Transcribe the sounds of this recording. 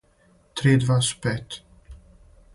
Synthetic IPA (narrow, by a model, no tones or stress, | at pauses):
t̪ʰɾeːd̪vaspɛt̪